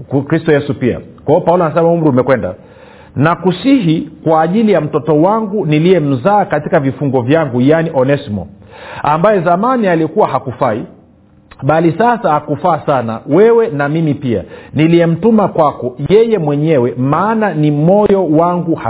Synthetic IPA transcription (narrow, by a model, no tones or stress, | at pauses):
kɾistɔjɛsupia̰kwaɔpaulɔanasɛmaum̩ɾiumɛkwɛnda̰ | nakusiɦikwaːʄilijam̩tɔtɔwaŋɡuniliɛm̩zaːkatikavifuŋɡɔvjaŋɡujaniʔɔnɛsimɔ̰ambajɛzamanialiɛkuwaɦakufai | ɓalisasahakufaːsana̰wɛwɛnamimipia̰nilijɛm̩tumakwakɔjɛjɛmwɛɲɛwɛmaːnanimɔjɔwaŋɡuha